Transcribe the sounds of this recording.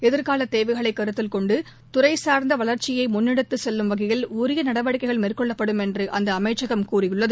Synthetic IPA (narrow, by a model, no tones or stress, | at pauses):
ɛðɪɾkaːlɐt̪ːeːʋɐɪɣɐɭɐɪkːɐɾɯt̪ːɪlkɔɳɖɯ | t̪ʊɾɐɪsaːɾnd̪ɐʋɐɭɐɾt͡ʃɪjɐɪmʊnːɪɽɯt̪ːɯsɛlːɯmʋɐɣɐjɪluːɾɪjɐnɐɽɐʋɐɽɪkːɐɪɣɐɭmiːrkɔɭːɐpːɐɽɯmɛndrɯʔɐnd̪ɐːmɐɪt͡ʃːɐɣɐmkuːrɪjɯɭːɐðɯ